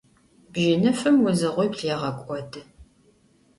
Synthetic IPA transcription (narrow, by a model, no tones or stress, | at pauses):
bʒɪnɨfɨmwʊzɨʁʷʊjpɬeːʁɐkʷʼɔdʰɨ